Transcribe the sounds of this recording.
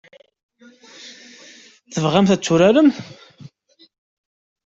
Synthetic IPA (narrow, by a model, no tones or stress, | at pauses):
θəvʁæmθæt͡sːʊɾæɾəm